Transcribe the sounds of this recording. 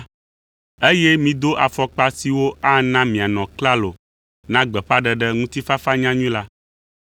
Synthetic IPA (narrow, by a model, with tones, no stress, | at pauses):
e˦jɛ˦mĩ˨d̪o˦ʔa˨fɔ˨k͡pa˦si˨wo˦a˦nã˦mĩ˨a˨nɔ̃˨kla˦lo˨ | nã˦ɡ͡bɛ˨ɸa˦ɖɛ˦ɖɛ˦ŋũ˦t̪i˦fa˦fa˦ɲã˦ɲũ˦la˦